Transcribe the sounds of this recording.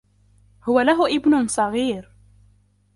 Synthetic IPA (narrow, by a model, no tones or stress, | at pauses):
hʊwælaɦʊʔɪbnʊnsˤɑɣiːɾ